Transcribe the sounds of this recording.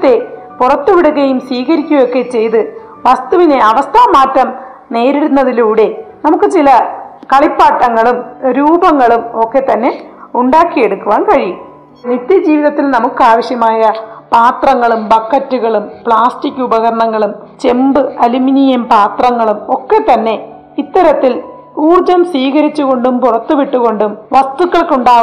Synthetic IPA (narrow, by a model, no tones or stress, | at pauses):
t̪ːe̞ | purɐt̪ːuʋiɽuɣɐjumsʋiːɣɐɾikʲːuʋɐjokːe̞t͡ɕe̞jt̪ɨ | ʋɐst̪uʋine̞ɐʋɐst̪ʰamaːtːɐm | ne̞ːɾiɾunːɐðiluːɽe̞nɐmukːɨt͡ɕilɐ | kɐɭipːaːʈːɐŋːɐɭumɾuːbɐŋːɐɭumo̞kːe̞t̪ɐnːe̞uɳɖaːkːije̞ɽukːuʋaːnkɐɻijum | nit̪ːjɐd͡ʑiːʋiðɐt̪ːilnɐmukːɨaːʋɐɕjɐmaːjɐpaːt̪rɐŋːɐɭumbɐkʰːɐtːuɣɐɭumpɭaːstikʲːubɐɣɐɾɐɳɐŋːɐɭum | t͡ɕe̞mbɨɐluminijɐmpaːt̪rɐŋːɐɭumo̞kːe̞t̪ɐnːe̞ | it̪ːɐɾɐt̪ːil | uːrd͡ʑɐmsʋiːɣɐɾit͡ɕːuɣo̞ɳɖumpurɐt̪ːuʋiʈːuɣo̞ɳɖumʋɐst̪ukːɐɭkuɳɖaː